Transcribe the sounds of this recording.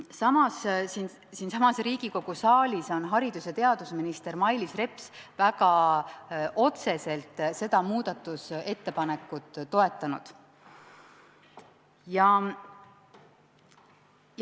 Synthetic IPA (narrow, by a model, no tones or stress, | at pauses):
sɑmɑssin | sinsɑmɑsɾiːɡ̥iko̞ɡ̥usɑːlʲiso̞nɦɑɾid̪̥use̞t̪e̞ɑd̪usminist̪e̞ɾmɑjlisre̞psvæɡ̥ɑ | ʔo̞t̪se̞se̞lt̪ːˑse̞d̪̥ɑmuːd̪̥ɑt̪ːˑuse̞t̪ːe̞pɑne̞kːˑut̪ˑːo̞e̞t̪ːˑɑnṵd̪̥ | jɑ